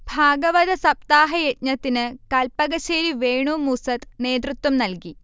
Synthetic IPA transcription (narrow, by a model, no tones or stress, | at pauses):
bʱaːɡɐʋɐd̪ɐsɐp̚t̪aːɦɐjet̪̚ɲɐt̪ːinɨkɐlpɐɣɐɕeːɾiʋeːɳoːmusɐt̪ne̞ːd̪rut̪ːwɐmnɐlki